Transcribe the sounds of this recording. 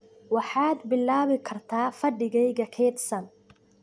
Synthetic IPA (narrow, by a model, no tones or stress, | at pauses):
wɑħaːd̪bɪlːaːβɪkʰɐrt̪ʰaːfɐɖɪɣɛjɣɐkʰɛːt̪sɐn